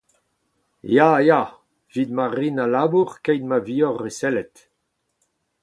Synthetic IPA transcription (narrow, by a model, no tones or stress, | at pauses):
jaja | v̥id̪maʁinalabuʁkɛjd̪̚maviːɔʁːesɛlɛt̪